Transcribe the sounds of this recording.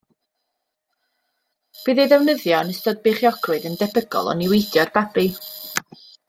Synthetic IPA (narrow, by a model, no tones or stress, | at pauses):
b̥iːðɛjðɛwnəðjɔnəstɔd̚beχjɔɡrɨðəndɛbəɡɔ̰lˠɔ̰nɪwejdjɔrbabi